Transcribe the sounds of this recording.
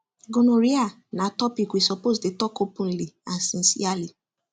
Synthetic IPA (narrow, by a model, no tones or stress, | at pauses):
ɡõnũɾia | nãtɔpikwisɔposdetɔkopũn̩lian̩sĩn̩sḭali